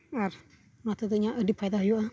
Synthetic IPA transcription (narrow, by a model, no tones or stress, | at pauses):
aɾ | mat̪əd̪əɲaʔədip̚ʰajd̪aɦəjuʔa